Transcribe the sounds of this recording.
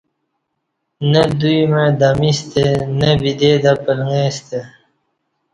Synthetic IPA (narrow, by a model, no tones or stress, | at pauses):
nəd̪ujmed̪amist̪enəbid̪ed̪apəlŋest̪e